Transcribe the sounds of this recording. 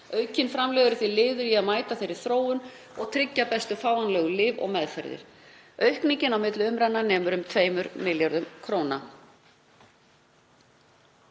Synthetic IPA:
œːɥcɪnfɾamlɛːɣʏɾʏθilɪːðʏɾiaðmaːjt̪aθejɾɪɾ̥θɾoːwʏn | ɔɣt̪ʰɾɪcːapɛst̪ʏfaːwvanlɛːɣʏlɪːvɔ̰ɣmɛðfajɾðɪ̰ɾ̥ | œɥhkniɲcɪnawmɪt̪lʏʏmɾanːanɛːmʏɾʏmt̪ʰveːjmʏɾmɪljaɾðʏmkʰɾoːwna

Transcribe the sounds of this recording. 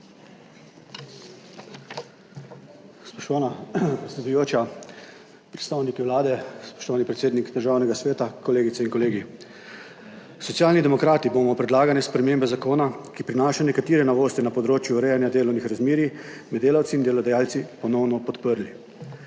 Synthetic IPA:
spɔʃt̪ɔʋaːnapɾɛt̪sʲɛd̪ujoːt͡ʃja | pɾɛt̪st̪awnikiwlaːd̪ɛspɔ̥ʃt̪ɔʋaːnipɾɛt̪seːd̪nikd̪əɾʒaːwnɛɡasʋeːt̪akɔleːɡit̪sɛinkɔleːɡi | sɔt̪sijaːlnid̪ɛmɔkɾaːt̪iboːmɔpɾɛd̪laːɡanɛspɾɛmeːmbɛzakoːnakipɾinaːʃanɛkat̪iːɾɛnaʋoːst̪ɛnapɔd̪ɾoːt͡ʃjuɾɛjanjad̪eːlɔwnixɾazmeːɾimɛd̪d̪ːeːlawt̪iːnd̪elɔd̪ɛjaːlt̪sipɔnɔwnɔpɔt̪pəɾli

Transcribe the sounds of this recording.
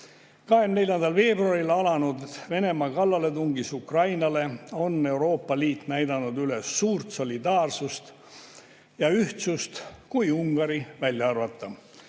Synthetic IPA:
kɑɦe̞mnelʲjɑnd̪̥ɑlve̞ːbruɑɾilɑlɑnud̪eve̞ne̞mɑːkɑlːɑle̞t̪uŋɡisukrɑjnɑle̞o̞nːe̞wɾo̞ːpːɑliːt̪ːˑnæjd̪ɑnud̪ylesːuːrt̪so̞lʲid̪ɑːrsust̪ | jɑyht̪sust̪kujuŋɡ̥ɑɾivælʲjɑɑrvɑt̪ˑːɑ

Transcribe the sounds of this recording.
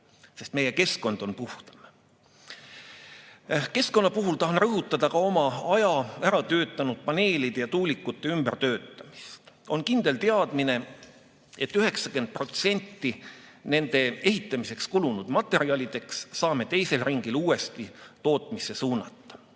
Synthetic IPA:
se̞st̪me̞je̞ke̞sko̞nd̪̥o̞npuht̪ɑ̥m | ke̞sko̞nːɑpuɦult̪ɑɦɑnrɤɦut̪ːˑɑd̪̥ɑkɑo̞mɑɑjɑæɾɑt̪ø̞ːt̪ːˑɑnud̪̥̚pɑne̞ːlʲid̪̥ejɑt̪uːlikːˑut̪ˑːe̞ymb̥ært̪ø̞ːt̪ːˑɑmi̥st̪o̞nkind̪̥e̞lt̪e̞ɑd̪̥mine̞ | e̞t̪ːˑyɦe̞ksɑkend̪̚pro̞t̪se̞nʲt̪ˑːine̞nd̪̥e̞e̞ɦit̪ːˑɑmise̞kskulunud̪̥mɑt̪ːˑe̞ɾiɑlʲid̪̥e̞ksːɑːme̞t̪e̞jse̞lriŋɡ̥iluːe̞st̪it̪o̞ːt̪ˑmise̞suːnɑt̪ːɑ̥

